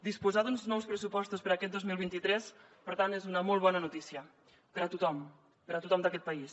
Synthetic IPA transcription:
d̪ispuzaðunznɔwspɾəsupɔst̪uspəɾakɛt̪̚d̪ozmilˠβint̪it̪ɾɛs | pəɾt̪anezunəmɔlˠβ̞ɔnənut̪isiə | pəɾət̪ut̪ɔm | pəɾat̪ut̪ɔmd̪əkɛt̪̚pəis

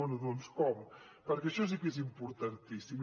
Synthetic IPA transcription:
ɔnuðonskɔm | pəɾkɛʃɔs̬ikɛz̬impuɾt̪ant̪isim

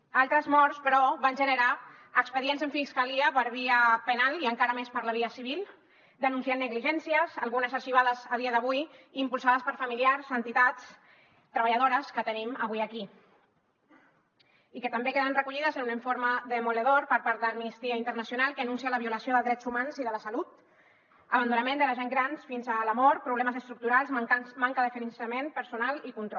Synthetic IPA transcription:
alˠt̪ɾəzmɔɾspəɾɔβanʲʒənəɾa | əkspəðienzəɱfiskaliəpəɾβiəpənaliəŋkaɾəmespəɾləβ̞iəsiβil | d̪ənunsianːəɣliʒɛnsiəzəlˠɣunəzəʃiβ̞aðəzəð̞iəðəβujimpulˠsaðəspəɾfamiliaɾzənt̪it̪att͡s | t̪ɾəβəʎað̞oɾəskət̪əniməβuiəki | ikət̪ambekeðənrəkuʎiðəzənunəɱfoɾməðəmuleðoɾpəɾpaɾt̪d̪əəmmnist̪iaint̪əɾnəsjunalˠkəːnunsialəβiuləsioðəlˠzd̪ɾɛd͡zumanziðələsalut̪ | əβənd̪unəmẽnd̪ələʒeŋɡɾansfinzəlamɔɾt̪̚pɾuβlɛməzəst̪ɾuk̚t̪uɾalˠzmaŋkəðəfeɾinsɾəmenpəɾsunalikunt̪ɾɔ

